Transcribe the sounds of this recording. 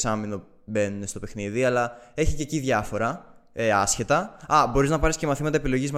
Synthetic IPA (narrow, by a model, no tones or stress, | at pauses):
sɐmino̞ | be̞nunest̪o̞pe̞xniðiɐlɐe̞çiceciðʝɐfo̞ɾɐ | eɐsçe̞t̪ɐɐbo̞ɾiznɐpɐɾisce̞mɐθimɐt̪ɐe̞pilo̞ʝizm